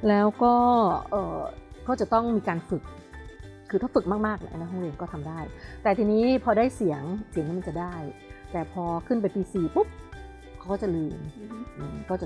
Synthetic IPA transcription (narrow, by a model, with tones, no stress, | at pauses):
lɛː˦˥wkɔː˥˩ʔɤː˨˩kɔː˥˩t͡ɕa˨˩t̪ɔ˥˩ŋmiː˧kaː˧nfɯ˨˩k̚ | kʰːɯː˧t̪ʰaː˥˩fɯ˨˩k̚maː˥˩k̚maː˥˩k̚na˦˥ʔna˧˦˥ɦɔ˥˩ɾɯː˧nkɔː˥˩t̪ʰa˧mdaː˥˩jt̪ɛː˨˩t̪ʰiː˧niː˦˥pʰɔː˧daː˥˩jsi˨˩˦əŋsi˨˦ŋni˦˥ma˧nt͡ɕa˨˩daː˥˩jt̪ɛː˨˩pʰɔː˧kʰɯ˥˩np̬a˧jpiː˧siː˧˩pu˦˥p̚ | kʰa˦wkɔː˥˩t͡ɕa˨˩lɯː˧mʔɯː˨˩mkɔː˥˩t͡ɕa˨˩